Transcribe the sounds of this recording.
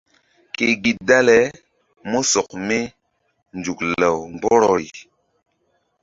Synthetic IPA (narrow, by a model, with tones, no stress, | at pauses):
ke˨ɡi˨da˦lɛ˨ | mo˦sɔ˨kme˦ | nd͡ʒu˨kla˨wŋbɔ˦ɾɔ˨ɾḭ˨